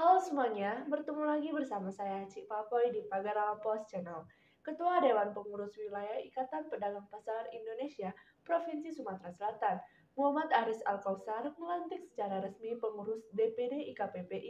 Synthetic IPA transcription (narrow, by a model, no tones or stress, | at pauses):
hausəmuaɲabərt̪əŋulaɡibərsamasajat͡ʃiʔpapɔjdipaɡaɾapɔst͡ʃənal | kət̪uadewanpəŋuɾʊswilajahikat̪anpədalampasarindonesiapɾofinsisumat̪ɾasəlat̪an | muɦamat̪aɾɪsa̰lkawsarməlant̪ɪk̚sə̥t͡ʃaɾahɾəsmipəŋuɾʊsdepedeʔikapepeʔi